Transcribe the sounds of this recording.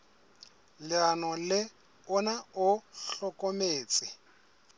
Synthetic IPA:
lɪanɔlɪ | ʊnaʊɬɔkʼomeːt͡sʼɪ

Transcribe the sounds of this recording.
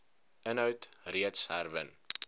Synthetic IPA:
ənɦœɥtriətsɦærvə̰n

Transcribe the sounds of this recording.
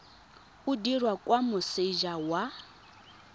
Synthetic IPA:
udirwakʼwamʊsɪʒawa

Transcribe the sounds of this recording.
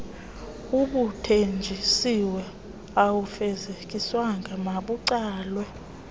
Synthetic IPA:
uɓutʰend͡ʒʱisiwɛ | awufɛzek̬ʼiswaŋɡʱamaɓuǀaːlwɛ

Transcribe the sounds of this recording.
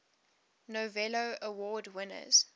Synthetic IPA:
novɛloʊəwɔːdwɪnə̰z̥

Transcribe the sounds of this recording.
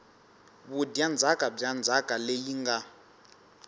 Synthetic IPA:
βudjand͡zʱakʼab͡ʐand͡zʱakʼalejiŋɡa

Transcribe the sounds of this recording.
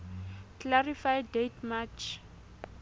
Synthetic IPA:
kʰlaɾifajdetmat͡ʃ

